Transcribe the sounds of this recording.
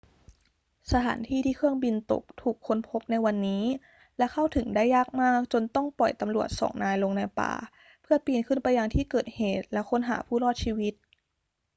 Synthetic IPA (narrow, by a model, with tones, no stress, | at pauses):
sa˧t̪ʰa̰ː˩˦nt̪ʰiː˥˩t̪ʰiː˥˩kʰɯ˥˩əŋbi˧nt̪o̰˨˩k̚t̪ʰuː˨˩kʰːo˧npʰo˦˥p̚na˧jwa˧nːiː˦˥ | lɛ˦˥kʰa˥˩wt̪ʰɯ˨˩˦ŋdaː˥˩jːaː˥˩k̚maː˥˩k̚t͡ɕo˧nt̪ɔ˥˩ŋpɔ˨˩jt̪a˧mɾlu˨˩ət̪̚sɔ̰ː˩˦ŋnaː˧jlo˧ŋna˧jpa̰ː˧˩ | pʰɯ˥˩ɐpiː˧nkʰɯ˥˩npa˧jːa˧ŋt̪ʰiː˥˩kɤː˨˩t̪̚heː˨˩t̪̚lɛ˦˥kʰo˦˥nɦa̰ː˩˦pʰuː˥˩lɔː˥˩t̪̚t͡ɕʰiː˧wi˦˥t̪̚